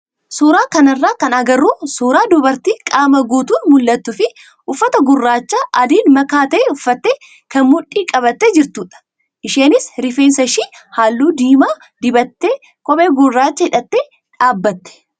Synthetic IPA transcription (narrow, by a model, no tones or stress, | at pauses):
suːɾaːkɐnɐrːaːkɐnɐɡɐrːuːsuːɾaːd̪ɔbɐɾt̪iːkʼaːmɐɡuːt̪uːnmʊlːɐt̪ːʊfɪ | ʔʊfːɐt̪ɐɡʊrːaːt͡ʃːaːʔɐd̪iːnmɐkaːt̪ɐːʊfːɐt̪ːeː | kɐnmʊᶑːiːkʼɐbɐt̪ːed͡ʒɪɾt̪uːᶑɐ̥ | ʔɪʃeːnɪsɾɪfeːnsɐʃiːhaːlːuːd̪iːmaː | d̪ɪbɐt̪ːeː | kʼɔbeːɡʊrːaːt͡ʃːɐɪᶑɐt̪ːeː | ᶑaːbːɐt̪ːɛ̥